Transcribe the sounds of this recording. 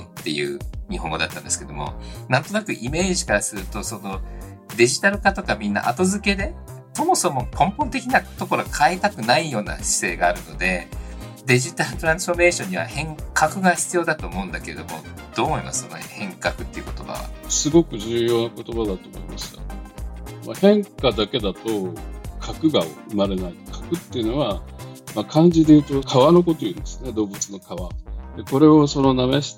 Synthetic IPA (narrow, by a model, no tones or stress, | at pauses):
t̪ːe̞jɯ̟̰ːɲ̟ihɦõ̞ŋɡo̞d̪at̪ːãnd̪esɨ̥ked̪omo̞̰nãnt̪o̞nakɯ̟ʔime̞ːʑikaɾasɨɾɯ̟t̪o̞so̞no̞ | d̪e̞ʑit̪aɾɯ̟kat̪o̞kamʲĩnːa̰ʔat̪o̞zɨke̞d̪e̞ | so̞mo̞so̞mo̞kʰõ̞mpõ̞nt̪e̞kʲinat̪o̞ko̞ɾo̞kʰaet̪akɯ̟naijo̞ːna̰ɕi̥se̞ːɡaːɾɯ̟no̞d̪e̞ | d̪e̞ʑit̪aɾɯ̟t̪o̞ɾãɰ̃sɨ̥fo̞ɾme̞ːɕõ̞ɲ̟ːiβa̰hẽ̞ŋkakɯ̟ɡaçi̥t͡sɨijo̞ːd̪at̪o̞ːmo̞ɯ̟̃nd̪ake̞ɾe̞̰d̪o̞̰mo̞̰ | d̪̥o̞ːmina̰sɨonehẽ̞ŋkakɯ̟t̪ːe̞iɯ̟kot̪o̞̰ba̰βa̰sɨɡo̞kɯ̟ʑɨːjo̞ːnako̞t̪o̞bad̪at̪o̞ːmoimasɨ̥jo | mahẽ̞ŋkad̪ake̞d̪at̪o̞kʰakɯ̟ɡaoɯ̟maɾe̞nait̪kʰḁkɯ̟t̪ːeiɯ̟no̞βamakʰãɲ̟d͡ʑid̪e̞jɯ̟ːt̪o̞kʰaβano̞ko̞t̪o̞jind̪esɨne̞d̪o̞ːbɯ̟t͡sɨno̞kaβad̪eko̞ɾe̞o̞so̞no̞nameɕi̥